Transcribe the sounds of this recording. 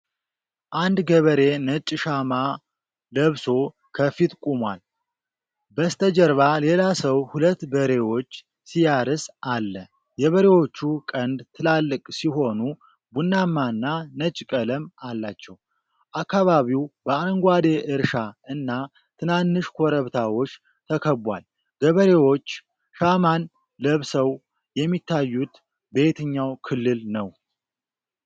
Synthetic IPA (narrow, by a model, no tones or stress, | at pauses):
ʔand̪ɡəβəɾe̞nət͡ʃʼʃama | ləβso̞ | kʰəfit̪kʼumwa̰l | bəst̪ʰəd͡ʒəɾβale̞lasəwhulət̪ːbəɾe̞wo̞t͡ʃː | sijaɾɨsʔalːə | jɛβəɾe̞wo̞t͡ʃːukʼənd̪t̪ʰɨlalːɨkʼsiɦo̞nu | bunːamːaɨnːanət͡ʃʼkʼələmalːat͡ʃːɛw | ʔakːaβaβiwbəaŋɡʷad̪e̞ʔɨɾʃaɨnːa | t̪ʰɨnanːɨʃkʰʷoɾəβt̪ʰawo̞t͡ʃː | t̪ʰəkʰəbʷa̰l | ɡ̥əβəɾe̞wo̞t͡ʃː | ʃaman | ləβsəw | jɛmːit̪ːajːut̪ | be̞t̪ʰɨɲːawkʰɨlːɨlnəw